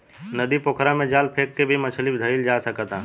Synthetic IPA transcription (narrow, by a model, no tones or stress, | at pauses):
nəd̪ipokʰɾãmẽd͡ʒaːlpʰeːkːebʱimɐt͡ʃʰəlibd̪ʱəɪld͡ʒaːsəkət̪ãː